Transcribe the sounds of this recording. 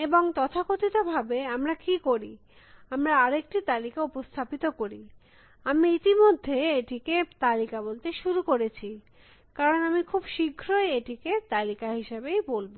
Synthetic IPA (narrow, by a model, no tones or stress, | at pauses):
eboŋt̪ɔt̪ʰakot̪it̪obʱabeamɾakikoɾi | amɾaaɾek̚ʈit̪alikaupost̪ʰapit̪okoɾi | amiit̪imod̪ʱːeeʈiket̪alikabolt̪eʃuɾukoɾet͡ɕʰi | kaɾonamikʰubʃiɡʱɾoeeʈiket̪alikaɦiʃebejbolbo